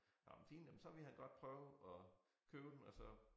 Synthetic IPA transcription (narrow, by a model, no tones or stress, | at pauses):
nɑ̰mnfiːnjemnsɒ̽ʋe̝hænɡ̥ɒ̽d̥̚pʰʁœʊɒ | kʰøːʊd̥emɒsɒ̽